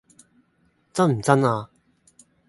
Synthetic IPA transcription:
t͡sɐ˥nm̩˨˩t͡sɐ˥naː˧

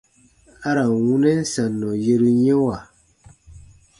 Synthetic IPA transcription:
a˦ɾa˨wu˦nɛ˦n̩˦sa˨nːɔ˨je˦ɾu˦ɲɛ˦wa˨

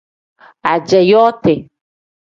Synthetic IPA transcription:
a˨d͡ʒɛ˨jɔ˦t̪e˨

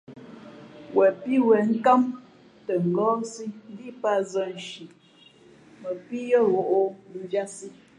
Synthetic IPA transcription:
wʔɛ˨pi˦wɛ˨ŋ̩˦ka˦m | tə˨ŋ̩˨ɡɔ˦si˦n˦di˦pa˦˨zə˦n̩˨ʃi˨ | mə˨pi˦jə˦ɣo˨ʔo˦d͡ʒa˦si˦

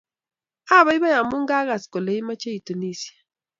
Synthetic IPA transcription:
a˦˨βa˨˦i˦βa˦ja˨mu˦ŋ̩˦ɡa˦ɣa˨skɔ˨le˨˦i˦ma˦t͡ʃe˦i˨tu˨ni˦si˨a˨

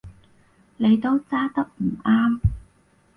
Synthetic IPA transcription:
ne˨˧jt̪o˥wt͡saː˥t̪ɐ˥k̚m̩˨˩aː˥m

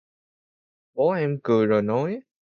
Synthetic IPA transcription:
ɓɔ˨˦ʔɛ˧mkɨ˨˩əjzo˨˩jnɔ˨˦j

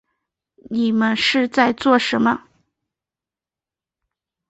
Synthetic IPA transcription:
ni˨˩mə˦nʂɻ̩˥˧t͡sa˥˧ɪt͡swɔ˥˩ʂə˧˥nmə˧

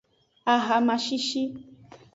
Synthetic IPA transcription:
a˨ɦa˨mã˨ʃi˦ʃi˦

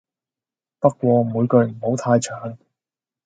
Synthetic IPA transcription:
pɐ˥k̚ːʷwɔː˧muː˨˧jkɵ˧ɥm̩˨˩ho˨˥wt̪ʰaː˧jt͡ʃʰœː˨˥ŋ

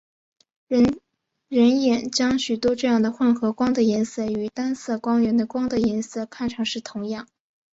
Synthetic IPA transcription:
ɻə˧˥njɛ˨˩nt͡ɕjɑ˥ŋɕy˨˩t̪wɔ˥ʈ͡ʂɤ˥˧jɑ˥˩ŋd̪ə˩xwə˥˩nxɤ˧˥kwɑ˥ŋd̪ə˨jɛ˧˥nsɤ˥˩y˨˩t̪a˥nsɤ˥˩kwɑ˥ŋɥɛ˧˥nd̪ə˧kwɑ˥ŋd̪ə˨jɛ˧˥nsɤ˥˩kʰa˥˩nʈ͡ʂʰɤ˧˥ŋʂɻ̩˥˩t̪ʰʊ˧˥ŋjɑ˥˩ŋ

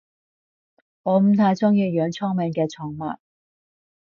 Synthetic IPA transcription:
ŋɔː˨˧m̩˨˥t̪ʰaː˧jt͡sɔ˥ŋjiː˧jœː˨˧ŋt͡sʰɔː˥ŋmɛ˨˧ŋkɛː˧t͡sʰɔː˨˥ŋma̰ː˨n̚

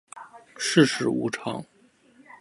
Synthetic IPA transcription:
ʂɻ̩˥˧ʂɻ̩˧˥ṵ˧˥ʈ͡ʂʰɑ̰˧˥ŋ

